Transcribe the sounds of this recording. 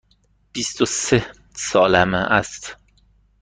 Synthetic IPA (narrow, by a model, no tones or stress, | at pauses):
b̥ist̪ose | sɒːlæmæʔæst̪